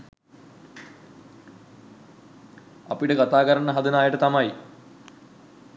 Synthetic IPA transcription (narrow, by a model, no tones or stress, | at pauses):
apiʈəɡat̪aːkəɾəɳəɦad̪ənaːjəʈət̪amaji